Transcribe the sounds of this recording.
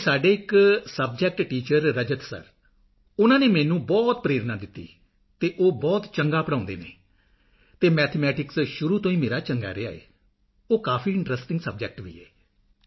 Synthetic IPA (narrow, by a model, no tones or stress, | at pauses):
saːɖeːɪksəb̚d͡ʒɛk̚ʈʈiːt͡ʃəɾːəd͡ʒət̪sə̰ɾ | ʊnãːneːmɛːnũːbɔːt̪̚pəɾeːɾnaːd̪ɪt̪ːḭː | t̪eːʔoːbɔːt̪t͡ʃəŋɡaːpəɽãːʊ̃nd̪ḛːnḛː | t̪eːmɛːt̪ʰemɛːʈɪksʃʊɾuːt̪õːiːmeːɾaːt͡ʃəŋɡa̰ːɾḛa̰ːḛː | oːkaːpʰiːɪ̃ɳʈɾəsʈɪ̃ŋɡsəb̚d͡ʒɛk̚ʈʋḭːɛː